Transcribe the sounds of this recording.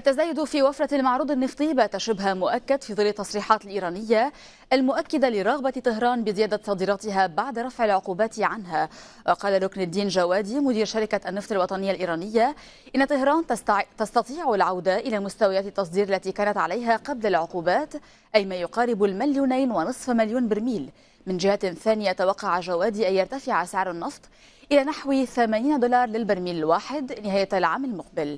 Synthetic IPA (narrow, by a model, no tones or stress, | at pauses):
ʔat̪ːazaːjʊd̪ʊfiːwafɾɑalmɑʕɾuːd̪ˤɑnːɨft̪ˤibat̪aʃɪbɦamʊʔakːad̪fiːðˤɨlːɑt̪ːɑsˤɾiːħɑːt̪ɪlʔiːɾˤɑːnɪjːa | ʔalmʊʔakːad̪alɪɾˤɑɣbat̪ɪɦɾˤɑːnbɪzɪjaːd̪asˤɑːd̪iːɾˤɑːt̪ɪɦabaʕd̪aɾˤɑfʕɪlʕʊquːbaːt̪ʕanɦa | wʔɑqɑːlaɾʊknad̪iːnʒawaːd̪iːmʊd̪iːɾʃaɾɪkaʔanːɨft̪ˤɑlwɑt̪ˤɑnɪjːalʔiːɾˤɑːnɪjːa | ʔɪnːat̪ˤɪhɾˤɑːnt̪ɑst̪ɑt̪ˤiːʕalʕawd̪aʔɪlaːmʊst̪awajaːt̪ɑt̪ːɑsˤd̪iːɾalːat̪iːkaːnat̪ʕalajɦaqɑblalʕʊquːbaːt̪ | ʔajmaːjʊqɑːɾɪbʊlmɪljuːnajnwɪnɨsˤfmɪljuːnbɪɾmiːl | mɪnʒɪhaθaːnɪjat̪awɑqːɑʕaʒawaːd̪iːʔajːɑɾt̪afɪʕasɪʕɾanːɨft̪ˤ | ʔɪlaːnaħwiθamaːniːnad̪ʊlɑːɾˤlɪlbɪɾmiːlɪlwaːħɪd̪nɪɦaːjalʕaːmalmʊq̚bɪl